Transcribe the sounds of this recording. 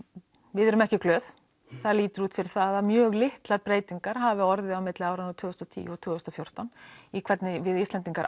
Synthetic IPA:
vɪðɛɾʏmɛhcɪklœːð | θaðliːt̪ʏɾuːt̪fɪɾɪɾ̥θaːðamjœːɣlɪht̪laɾpɾeːjt̪iŋkaɾ̥ɦaːvɪɔɾðɪawmɪt̪lɪaːwɾanawt̪ʰʏːɣʏst̪ɔt̪ʰḭːjɔt̪ʰʏːɣʏst̪ɔfjowr̥t̪anikʰv̥ɛt̪nɪvɪðist̪lɛnt̪iŋkaɾ

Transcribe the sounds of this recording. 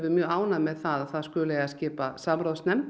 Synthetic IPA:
vɪmjœːɣaːwnamɛðθaðaθaðskœːlɛːɣascɪːpasamɾaːwsnɛm

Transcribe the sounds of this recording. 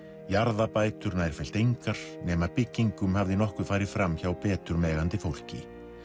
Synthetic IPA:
jaɾðapaːjt̪ʏɾnaːɛɾ̥fɛjl̥t̪ejŋkaɾ̥nɛːmapɪcːiŋkʏmhavðɪnɔhkʏ̥faːjɾɪ̥fɾamːçawpɛːt̪ʏɾmɛːɣant̪ɪfowl̥cɪ̰

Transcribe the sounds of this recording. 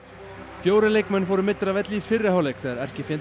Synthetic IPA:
fjoːwɾɪlejkmɛnːfoːwɾʏmɪt̪ːɾavɛt̪lifɪrːɪhawlejkθɛːɣðaɾɛr̥cɪfjɛn

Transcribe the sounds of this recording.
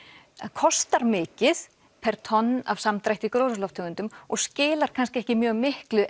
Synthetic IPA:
kʰɔst̪aɾmɪːcɪθ | pʰɛɾ̥t̪ʰɔnːa̰vsamt̪ɾajht̪ikɾowsʏlɔwft̪ʰœːɣʏnt̪ʏmɔɣscɪːlaɾ̥kʰanscɪɛhcɪmjœːɣmɪhklʏʔ

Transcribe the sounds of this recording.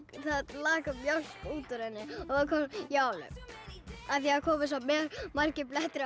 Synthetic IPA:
θaðlaːkamjawl̥kuːt̪ɔɾhɛnːɪɔðkʰɔljawlʏ̰ | aθiaakʰɔːmɪs̬amɛːɾmar̥cɪplɛht̪ɪɾ

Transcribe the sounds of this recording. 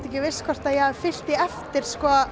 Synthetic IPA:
t̪ɛhcɪvɪskʰvɔr̥t̪ajɛhaðfɪl̥t̪ɪɛft̪ɪɾ̥skɔːa

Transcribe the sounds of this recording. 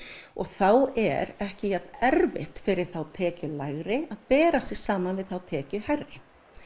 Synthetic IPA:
ɔɣθawɛ̰ɾɛhcɪjɛt̪nɛɾvɪ̰ht̪fɪɾɪɾ̥θawt̪ʰɛːcʏlaɣɾɪaðpɛːɾasɪɣ̥saːmanvɪðθawt̪ʰɛːcʏharːɪ

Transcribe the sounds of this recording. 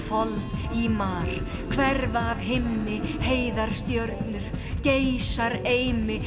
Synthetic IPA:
fɔlðimaːɾ̥ | kʰvɛɾvaːvɦɪmnɪheːjðaɾ̥st̪jœɾt̪nʏɾ̥cejsaɾejmɪ

